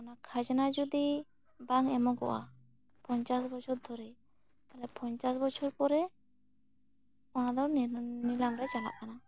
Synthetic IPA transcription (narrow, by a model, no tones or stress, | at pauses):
ɔnakʰad͡ʒanad͡ʒɔd̪i | baŋɛmɔɡɔ̰ʔa̰ | pɔɲt͡ʃasbɔt͡ʃʰɔɾd̪ʱɔɾɛ | alɛpɔɲt͡ʃasbɔt͡ʃʰɔɾpɔɾɛ | ɔnad̪ɔnilamɾajt͡ʃala̰ʔkana